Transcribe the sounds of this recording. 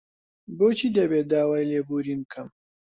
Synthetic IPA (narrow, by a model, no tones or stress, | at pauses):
boːt͡ʃʰiːd̪ɐbeːt̚d̪aːwaːjleːbuːɾiːnkʰɐm